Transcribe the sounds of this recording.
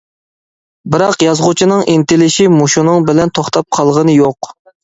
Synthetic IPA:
bɪɾɑqjɑzʁʊt͡ʃʰinɨŋʔint̪ɪlɪʃimuʃunɨŋbɪlɛnt̪ʰoχt̪ʰɑp̚qʰɑlˠʁənɨjoq

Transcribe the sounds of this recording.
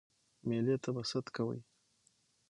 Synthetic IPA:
melet̪abasat̪kawə̰j

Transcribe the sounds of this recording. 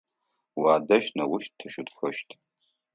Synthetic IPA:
waːdɐʃnɐwʊʃttʰːɨʃʊtxɐʃtʰʼ

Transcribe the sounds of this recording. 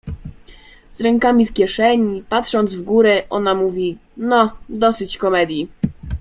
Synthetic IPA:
zɾɛŋkamʲifkʲjɛʂɛɲipat̪ʂɔnd̪zvɡuɾɛʔɔnamuvʲi | nɔd̪ɔsɘt͡ɕkɔmɛd̪ʲji

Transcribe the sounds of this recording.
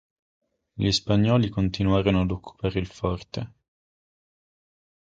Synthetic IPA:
ʎispaɲːɔːlikont̪inuaːɾonoad̪okʰːu̥paːɾeilfɔrt̪e

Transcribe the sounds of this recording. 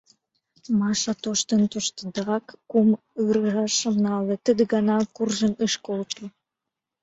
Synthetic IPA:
mɑʃɑt̪oʃt̪ənt̪oʃt̪əd̪ɑkːum | ɯɾəʒɑʃə̆mnɑlĕt̪əd̪əɡɑnɑkurʒənəʃkolt̪u

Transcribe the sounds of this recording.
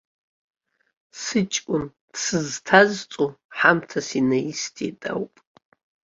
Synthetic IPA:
sɨt͡ʃʼkʷʼʊn | d̥sɨztʰazt͡sʼuħamtʰasinaistʰʼḭtʼa̰wpʼ

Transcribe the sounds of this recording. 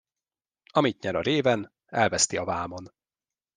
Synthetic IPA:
ɒmit̪ɲɛɾɒɾeːvɛn | ɛlvɛst̪iɒvaːmo̞n

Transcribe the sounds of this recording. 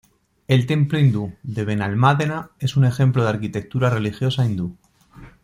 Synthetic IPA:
e̞lt̪e̞mploind̪uðe̞β̞e̞nalmaðe̞nae̞sune̞xe̞mploðaɾkit̪e̞k̚t̪uɾare̞lixjo̞saind̪u

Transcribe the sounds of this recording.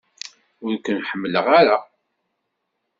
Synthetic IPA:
ʊɾkʷːənħəmːləʁaɾa

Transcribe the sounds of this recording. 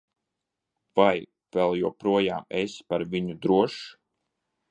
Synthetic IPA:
v̥aj | v̥ɛlˠjuɔpɾuɔja̰ːmespaɾviɲud̪ɾuɔʃ

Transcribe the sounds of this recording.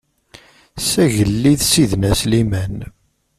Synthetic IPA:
sæʝəlːiðsiðnæslimæn

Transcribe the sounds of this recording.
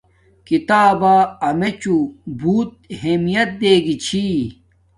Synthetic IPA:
kit̪aːbaɐmet͡ɕubuːt̪̚ɦeːmijɐt̪̚d̪eːɡit͡ɕʰi

